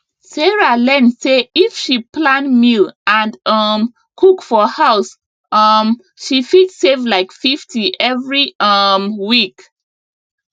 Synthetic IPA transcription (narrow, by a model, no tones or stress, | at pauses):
sɛɹalɛ̃nseifʃiplãnmilãnʌm | kʰukfɔhaʊs | ʔʌm | ʃifitsevlaɪkfiftʰiʔɛvɹiʌmwik